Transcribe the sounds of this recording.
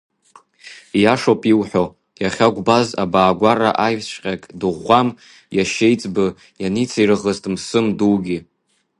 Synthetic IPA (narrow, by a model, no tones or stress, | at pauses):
jaʂopʼiwħʷo | jaχʲaɡʷbaza̰baːɡʷara̰ʔajsʷqʲʼakʼdɨʁʷam | jaʃejt͡sʼbɨ | janit͡sʰairɨʁəztʼmsɨmduwɡʲi